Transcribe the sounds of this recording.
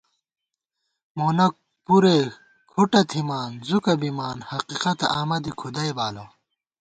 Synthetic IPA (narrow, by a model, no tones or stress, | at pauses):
moːnɐk̚ | puɾe | kʰuʈɐt̪ʰimaːnzukɐbimaːnhɐqiːqɐt̪ɐ̰aːmɐd̪ikʰud̪ɐjbaːlɐ